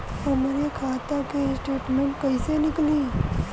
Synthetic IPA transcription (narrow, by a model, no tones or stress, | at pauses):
ɐmɾekʰaːt̪akesʈeːʈmẽɳʈkɐisenɪkliː